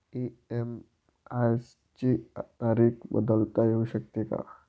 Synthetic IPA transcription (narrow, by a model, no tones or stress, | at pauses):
iem | as | t͡ɕit̪aɾiːkbə̰d̪əlt̪ajeɦuɕək̚t̪eka̰